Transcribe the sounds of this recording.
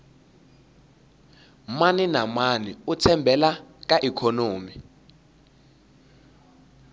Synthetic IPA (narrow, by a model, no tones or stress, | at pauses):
maninamaniut͡sʰɛmbʱɛlak̬aʔikʰonoːmi